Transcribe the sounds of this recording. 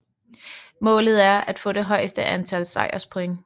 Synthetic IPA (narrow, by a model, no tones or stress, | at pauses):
mɔ̰̽ːlð̞̩ˠæɐæd̥fɔ̰̽ːd̥e̝ɦɒ̽ɪ̰sd̥əʔænt͡sʰælsɑ̈ɪɐspʰoeŋ